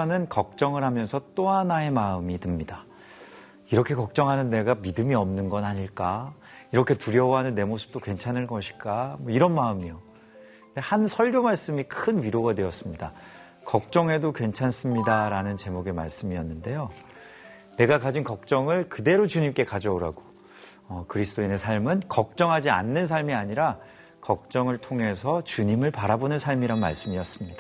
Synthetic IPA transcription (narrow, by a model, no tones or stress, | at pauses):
anɯnkʌk̚t͡ɕ͈ʌŋɯɭɦamjʌnsʰʌt͈oɦanae̞maɯmitɯmɲida | iɾʌkʰe̞kʌk̚t͡ɕ͈ʌŋɦanɯnːe̞ɡamidɯmiʌmnɯnɡʌnaɲiɭk͈a | iɾʌkʰe̞tuɾjʌwɦanɯnːe̞mosʰɯ̥p̚t͈okwe̞nt͡ɕʰanɯɭkʌɕʰi̥k͈amwʌiɾʌnmaɯmijo | de̞hansʰʌɭɡjomaɭs͈ɯmikʰɯnɥiɾoɡadwe̞ʌs͈ɯmɲida̰ | kʌk̚t͡ɕ͈ʌŋe̞dokwent͡ɕʰans͈ɯmɲidaɾanɯnt͡ɕe̞moɡe̞ma̰ɭs͈ɯmiʌnːɯnde̞jo | ne̞ɡakad͡ʑinkʌk̚t͡ɕ͈ʌŋɯɭkɯde̞ɾot͡ɕuɲimk͈e̞kad͡ʑʌoɾaɡo | ʌkɯɾisʰɯ̥t͈oine̞sʰaɭmɯnkʌk̚t͡ɕ͈ʌŋɦad͡ʑia̰nːɯns̬ʰaɭmiaɲiɾa | kʌk̚t͡ɕ͈ʌŋɯɭtʰoŋe̞sʰʌt͡ɕuɲimɯɭpaɾabonɯnsʰaɭmiɾanma̰ɭs͈ɯmijʌs͈ɯmɲid̥a